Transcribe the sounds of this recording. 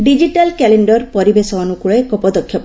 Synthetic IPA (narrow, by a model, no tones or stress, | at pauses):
ɖid͡ʒiʈalkɛleɳɖɔɾpɔɾibesɔːnukuɭekɔpɔd̪ɔkʰːjɔp